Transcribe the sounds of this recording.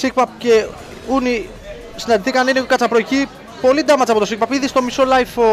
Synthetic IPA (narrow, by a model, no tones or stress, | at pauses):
sik̚pɐp̚ce | uni | sinɐd̪iθikɐninekɐt͡sɐpɾoici | po̞lid̪ɐmɐt͡sɐpoosik̚pɐpiðist̪o̞misolɐjfo